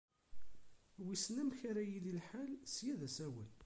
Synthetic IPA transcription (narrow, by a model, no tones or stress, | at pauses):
wisnæmçaɾæjililħalsjæðæsæwə̰l